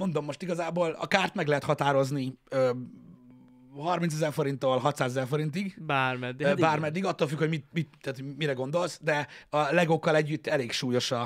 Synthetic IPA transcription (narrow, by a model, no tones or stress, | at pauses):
mo̞nd̪o̞mːo̞ʃt̪iɡɒzaːboːlɒ̰kaːrt̪mɛɡlɛɦɛt̪hɒt̪aːɾo̞zniø | hɒrmins̬ɛzɛrfo̞ɾint̪ːoːlɦɒt̪saːzɛzɛrfo̞ɾint̪iɡbarmɛd̪ːbaːrmɛd̪ːiɡɒt̪ːoːlfykhomit̪̚mit̪̚ɛaːt̪omiɾɛɡo̞nd̪o̞lsd̪ɛɒlɛɡokːɒlɛɟːyt̪ːɛleːkʃuːjo̞ʃɒ